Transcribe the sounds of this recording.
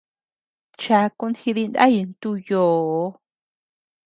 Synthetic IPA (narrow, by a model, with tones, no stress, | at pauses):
t͡ʃa˧ku˧nhi˧ði˧nd̪a̰˦ji˧nt̪u˧joː˨˧˦